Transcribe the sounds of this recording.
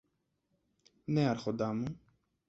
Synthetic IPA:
neɐɾxod̪amu

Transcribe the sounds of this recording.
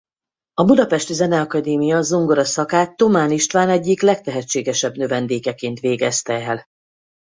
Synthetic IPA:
ɒbud̪ɒpɛʃt̪izɛnɛɒkɒd̪eːmijɒzuŋɡoɾɒsɒkaːt̪ːo̞maːniʃt̪ʋaːnɛɟːiklɛkt̪ɛɦɛt͡ʃːeːɡɛʃɛbnøvɛnd̪eːkɛkeːnt̪ʋeːɡɛst̪ɛɛl

